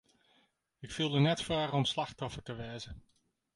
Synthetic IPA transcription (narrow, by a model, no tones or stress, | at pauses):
ɪkfilˠdənɛtfaːrɔmslaxtɔfətəʋɛːzə